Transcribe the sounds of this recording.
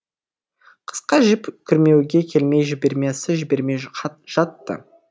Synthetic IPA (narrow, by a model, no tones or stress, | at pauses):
qʰə̥sqɑʒɪpkʲʰʏɾme̞wɡʲe̞kʲʰe̞lme̞jʒɪbe̞ɾmesɪʒɪbe̞ɾme̞jʒ̥ɑt̪ːə̰